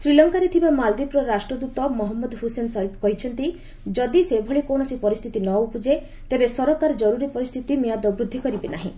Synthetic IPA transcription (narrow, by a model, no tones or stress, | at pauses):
sɾilɔŋkaɾet̪ʰibamald̪ipɾɔɾasʈɾɔd̪ut̪ɔmɔɦɔmːɔd̪ɦusensaipkɔɦit͡ʃʰɔnt̪i | d͡ʒɔd̪isebʱɔɭikoɳ̃ɔsipɔɾist̪ʰit̪inɔupud͡ʒe | t̪ebesɔɾɔkaɾɔd͡ʒɔɾuɾipɔɾist̪ʰit̪imijad̪ɔbɾud̪ʱːikɔɾibenaɦĩ